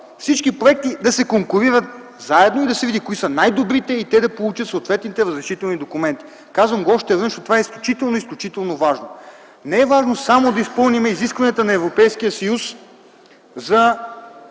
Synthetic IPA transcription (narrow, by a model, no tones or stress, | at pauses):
fsit͡ʃkipɾoɛk̚t̪id̪ɐsɛkoŋkuɾiɾət̪̚ | zaɛd̪noid̪ɐsɛvid̪ikoisənajd̪obɾit̪ɛit̪ɛd̪ɐpolˠut͡ʃət̪sot̪vɛt̪nit̪ɛɾəzɾɛʃit̪ɛlˠnid̪okumɛnt̪i̥ | kazvəmɡoɔʃt̪ɛvɤnʃnot̪ovaɛisklʲut͡ʃit̪ɛlˠnoisklʲut͡ʃit̪ɛlˠnovaʒno | nɛɛvaʒnosamod̪ɐispɤlˠnimɛiziskvɐnijət̪ənɐɛvɾopɛjskijəsɐjus | zɐ